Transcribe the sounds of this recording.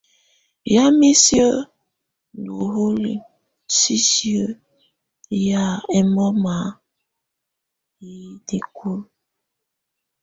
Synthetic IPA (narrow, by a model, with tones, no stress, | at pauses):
ja˦mi˦sjə˦˨ | du˨ɦo˦lḭ˨ | si˦sjə˦ | ja˦ɛ˦mɔ˦ma˨˦ | i˨de˨ku˦l